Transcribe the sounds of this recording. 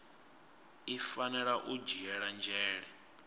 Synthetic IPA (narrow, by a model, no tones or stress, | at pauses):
ifanɛɺaʔud͡ʒiɛɺand͡ʒɛːɺɛ